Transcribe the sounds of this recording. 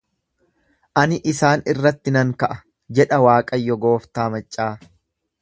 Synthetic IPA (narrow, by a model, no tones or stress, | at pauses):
ʔɐnɪʔɪsaːnɪrːɐt̪ːɪnɐŋkɐʔɐ̥ | d͡ʒɛᶑɐwaːkʼɐjːɔɡoːft̪aːmɐt͡ʃʼːaː